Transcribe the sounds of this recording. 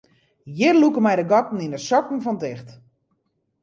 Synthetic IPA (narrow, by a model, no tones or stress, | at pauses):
jɪrlukəmɛjdəɡɔtn̩inəsɔkn̩fɔntɪxt